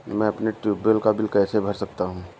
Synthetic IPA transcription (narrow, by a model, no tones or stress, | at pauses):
mɛ̃ɐpneʈɾiːbəlkabɪlkɛːsebʱɐɾsɐk̚t̪aɦũː